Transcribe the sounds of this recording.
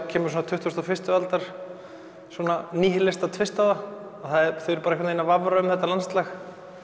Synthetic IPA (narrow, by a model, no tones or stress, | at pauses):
cʰɛːmʏɾs̬uɔnat̪ʰʏht̪vʏst̪afɪst̪ʏalt̪aɾ̥ | swɔːnaniːɦɪlɛst̪at̪ʰvɪst̪aða | aθaðɛɾθœɛɾpaːɾɛkat̪nejnavavɾaʏmθɛht̪ːalanst̪lax